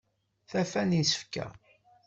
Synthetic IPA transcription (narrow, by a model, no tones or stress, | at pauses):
θæfænisə̥fkæ̰